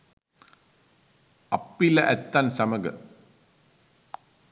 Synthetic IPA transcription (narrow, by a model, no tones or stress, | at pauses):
ɐpːilɐʔɛt̪ːansɐmɐɡɐ̰